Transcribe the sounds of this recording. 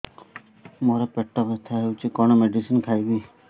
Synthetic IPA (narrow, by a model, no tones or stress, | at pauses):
mɔɾɔpeʈːɔpet̪ʰaɦeut͡ʃikɔɽ̃ɔmeɖisinkʰajbiː